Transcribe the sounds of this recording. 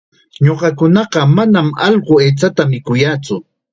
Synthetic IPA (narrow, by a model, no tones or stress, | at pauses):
ɲoɢɑkʊnɑɢɑmanamɑ̰ʎɢʊeːt͡sat̪amɪkʊjat͡sʊ